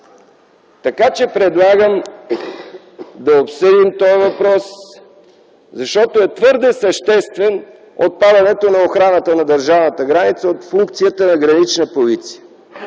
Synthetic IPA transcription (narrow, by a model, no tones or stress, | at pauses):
t̪ɐkat͡ʃɛpɾɛd̪lˠaɡəm | d̪ɐopsəd̪imt̪ɔjvɐpɾɔs | zɐʃt̪ɔt̪oɛt̪vɤɾd̪ɛsɐʃt̪ɛst̪vɛn | ot̪̚pad̪ɐnɛt̪onɐoxɾanət̪ənɐd̪əɾʒavnət̪əɡɾanit̪səot̪fuŋk̚t̪sijət̪ənɐɡɾɐnit͡ʃnəpolit̪si̥jə